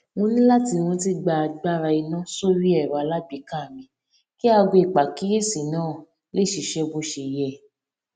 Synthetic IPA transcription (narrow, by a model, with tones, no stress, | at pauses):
wõ˧nĩ˦la˦ti˧w̃ɔ̃˧˦t̬i˦ɡ͡ba˧ɡ͡ba˦˨ɾa˧i˧nã˦so˦ɾi˦ɛ˦˨ɾa˨˧la˦bi˧˦kã˦˨mĩ˨˦ | ki˦a˧ɡo˧i˨k͡pa˨ki˦e˦˨si˨nãː˦˨ | le˦˨ʃi˧ʃɛ˧bo˧ʃe˨jɛ˨